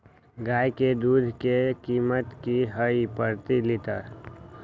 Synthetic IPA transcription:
ɡaːjked̪uːd̪ʱkekiːmət̪kiɦəipəɾt̪ilɪt̪əɾ

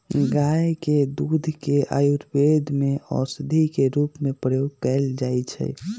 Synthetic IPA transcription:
ɡajked̪ud̪ʱkeʔa̰juɾbed̪ʱmeɔ̰sd̪ʱikeɾupmepɾəjoɡ̚kɛld͡ʒajt͡ʃʰɛ̰

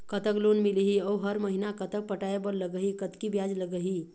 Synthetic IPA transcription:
kət̪əklonmiliɦiəwɦəɾməɦinakət̪ək̚pəʈajebəɾləɡəɦikət̪kibjad͡ʒləɡəɦi

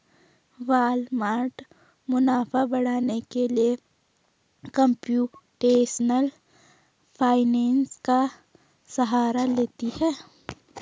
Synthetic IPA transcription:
ʋaːlmaːɾʈ | mʊnaːfabɐɽ̤aːnekelie | kə̃mpjuːʈeːʃnəl | pʰaːɪnɛ̃ːnska | sɐɦaːɾaleːt̪ihɛː

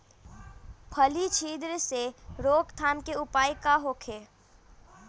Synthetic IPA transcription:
pʰəlit͡ʃʰiːd̪ɾseɾoːkt̪ʰaːmkeʊpaːikaɦoːkʰeː

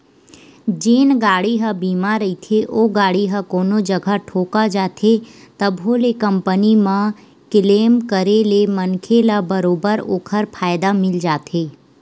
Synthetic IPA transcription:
d͡ʒeːnɡaːɽiɦəbiːmaɾɐit̪ʰeʔoːɡaːɽiɦakoːnod͡ʒɐɡʱaʈʰoːkad͡ʒaːt̪ʰet̪əbɦoːlekə̃mpənimã | kɪleːmkəɾelemənkʰelabəɾoːbəɾo̰ːkʰəɾpʰaːɪd̪amɪld͡ʒaːt̪ʰeː

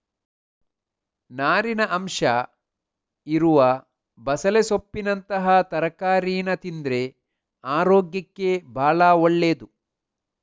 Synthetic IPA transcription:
naːɾinɐʔɐmʂɐ | iɾuʋɐ | bɐsɐlesopːinɐnt̪ɐɦɐt̪ɐɾɐkaːɾiːnɐt̪ind̪ɾe̞ | aːɾoːɡjɐkːe̞bʱaːɭɐɔɭːeːd̪u

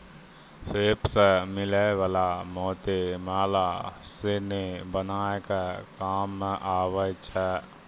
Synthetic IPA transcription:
seːpsəmɪleʋaːlamɔːt̪emaːlasenebənaːekakaːmːẽʔaːwət͡ʃɛː

